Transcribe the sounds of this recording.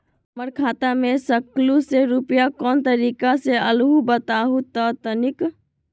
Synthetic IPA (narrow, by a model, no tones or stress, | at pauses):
məɾkʰaːt̪amẽsəkluseɾupjakɔːnt̪əɾiːkaseəlɦubət̪aɦut̪ət̪ənɪk